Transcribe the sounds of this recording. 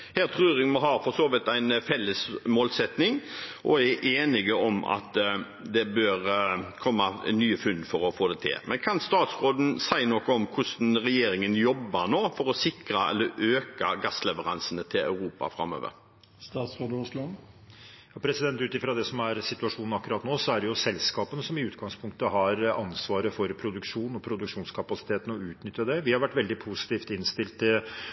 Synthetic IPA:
hæːɾʁt̪ʰʁʉːɾɪŋmɔɦɑfɔɾsoːʋɪt̪æɪnfɛlːəsmoːlsɛt̪nɪŋʔɔæʔeːnɪɡəɔmɑ̰t̪ | d̪ɛbøːɾkʰɔmːɑnyːəfʉnd̪fɔɾɔfoːd̪ɛt̪ʰɪ̰lmʔɛnkʰɑnst̪ɑːt̪sʁoːd̪n̩sæɪnɔkːɔɔmkʰʊʂnɾɛjeːɾɪŋənjɔbːənoːfɔɾɔsɪkɾɑɛ̰lːəɾøːkɑɡɑslɛʋəɾɑ̰nsənət̪ʰɪlɑ̰ʉɾuːpɑ̰fɾɑ̰mø̰ːʋə̰ɾ | st̪ɑːt̪sʁoːd̪əʊslʊ | jɑːpʰɾɛsɪd̪ɛnt̪ʉːt̪ɪfɾɑd̪ɛsɔmæɾsɪt̪ʉɑʂuːnn̩ɑkːʉɾɑːt̪noːsɔæɖɛjʊsɛlskɑːpənəsɔmɪʉːt̪ɡɑŋspʰʊŋkt̪əɦɑɾɑnsʋɑːɾəfɔɾpʰɾʊd̪ʉkʂuːnɔpʰɾʊd̪ʉkʂuːnskʰɑpɑsɪ̥t̪ʰeːt̪n̩ɔʉːt̪nʏt̪jɑd̪ɛʋɪhɑɾʋæʈːʋɛld̪ɪpʰusɪ̥t̪iːft̪ɪnst̪ɪlt̪ːɪl

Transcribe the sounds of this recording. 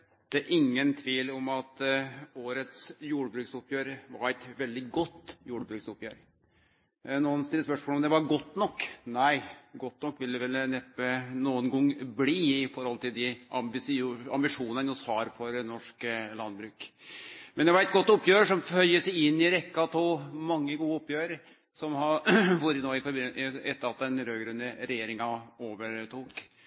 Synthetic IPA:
d̪̥ɛæɾʔɪŋːənt̪ʰʋiːlɔmɑt̪oːɾət̪sjuːɽbɾʉːksʊpjøːɾʋɑɾæɪt̪ʋɛld̪ɪɡɔt̪ːjuːɽəbɾʉːksʊpjøːɾ | nuːənst̪ɪlːəspœʂmolɔmd̪ɛʋɑɾɡɔt̪ːnɔkːnæɪɡɔt̪ːnɔkːʋɪlːd̪ɛʋɛlnɛpːənuːənɡɔŋːbliːɪfɔɾhɔlt̪ʰɪld̪ɪʔɑmbɪsɑ̰mbɪʂuːnənjɔshɑɾfɔɾnɔʂklɑnbɾʉːk | mɛnd̪ɛʋɑɾɛt̪̚ɡɔt̪ːʊpːjøːɾəʂɔmfœʏəsɛɪɪnːɪɾɛkːɑt̪ʰomɑŋːəɡuːəʊpːjøːɾəɾ | sɔmhɑʋuɾənoːɪfɛt̪ːəɾɑt̪̚d̪ɛnɾøːɡɾʉnd̪əɾɛjeːɾɪŋɑoːʋəɾʈ̪uːk

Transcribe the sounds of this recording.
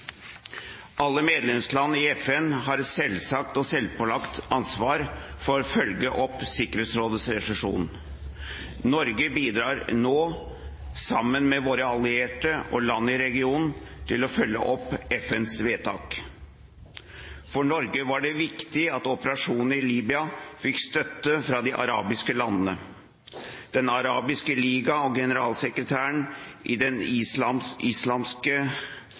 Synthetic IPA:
ʔɑlːəmeːd̪lɛmslɑnːəɪɛfɛnɦɑɾsɛlsɑk̚t̪ɔsɛlpɔlɑkt̪ɑnsʋɑːɾfɔɾɔfœlɡəʔɔpsɪkəɾheːt̪sɾoːd̪əsɾɛʂɛʂṵːn | nɔɾɡəbiːd̪ɾɑːɾnoː | sɑmːənmɛʋoːɾəɑlɪeːʈəʔɔ̰lɑnːəɪɾɛɡɪuːnn̩t̪ʰɪlɔfœlːə̰ʔɔpːɛfɛnsʋeːt̪ʰɑ̰ːk | fɔɳɔɾɡəʋɑɖɛʋɪkt̪ɪɑt̪ɔpəɾɑʂuːnəɾɪliːbʏɑfɪkst̪œt̪ːəfɾɑd̪ɪʔɑ̰ɾɑ̰ːbɪskəlɑnːənə | d̪̥ɛnɑɾɑːbɪskəliːɡɑɔɡɛnəɾɑːlsɛkɾət̪ʰæːəɳʔɪ̰d̪ɛnɪsɑmʔɪslɑmskə

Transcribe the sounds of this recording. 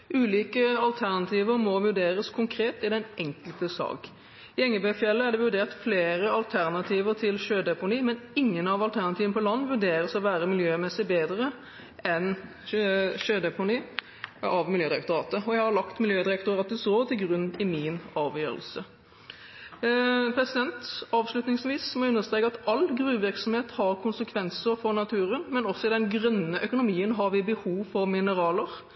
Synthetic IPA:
ʔʉːliːkəɑlt̪ʰæʁnɑt̪ʰiːʋəɾmɔʋʉɖeːɾəskʰʊŋkʰɾeːt̪ɪd̪ɛnʔɛŋkəlt̪əsɑ̰ːɡ | ɪɛŋːəbɛfjɛlːəæɖɛʋʉɖeːʁt̪fleːɾəɑlt̪ʰæʁnɑt̪ʰiːʋəɾt̪ʰɪlʃøːd̪ɛpʊniːmɛnɪŋːənɑʋɑlt̪ʰæʁnɑt̪iːʋənəpʰɔlɑnːʋʉɖ̪eːɾəsɔʋæːɾəmɪljøːmɛsɪbeːd̪ɾə | ɛn | ʃøːd̪ɛpʊniː | ɑʋmɪljøːd̪ɪɾɛkt̪ʊɾɑːt̪əɔjæɪhɑɾlɑkt̪mɪljøːd̪ɪɾɛk̚t̪ʊɾɑːt̪əsoːt̪ʰɪlɡʁʉnːɪmɪnɑːʋjøːɾə̰lsə | pʰɾɛsɪd̪ɛnt̪ɑːʋslʉt̪nɪŋsʋiːsmɔʉnːəst̪ɾʁeːkəɑt̪ɑlɡɾʉːʋɪɾksɔmheːt̪hɑɾkʰʊnsəkʰʋɛnsəɾfɔɾnɑt̪ʰʉːɾənmɛnɔsːɔɪd̪ɛnɡʁœnːəʔœkʊnʊmiːənɦɑɾʋɪbəhuːʋfɔɾmɪnəɾɑːləɾ

